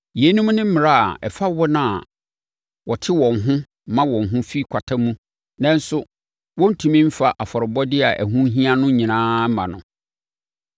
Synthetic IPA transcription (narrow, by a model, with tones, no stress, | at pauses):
je˨˦nũ˦m˦nɪ̃˦m̩˦mɪ̃˨ɾa̰˦˨ɛ˨fa˦wɔ˦nã˦˨a˨ | wɔ˨tʰɪ˦wɔ̃˨ŋɦʊ̃˦ | mã˦wɔ̃˨ŋ˨ɦʊ̃˦fi˦kʷʰa˨tʰa˦mũ˦ | nã˦n˦sʊ˦ | wɔ̃˦n̩˦tʰũ˨mĩ˦m̩˦fa˨ʔa˨fɔ˨ɾɔ˨bɔ˦dɪ˦a̰˨ʔæ̰˨ɦũ˦ɦĩ˦a˦nʊ̃˦ɲĩ˨nãː˦mã˨nʊ̃˨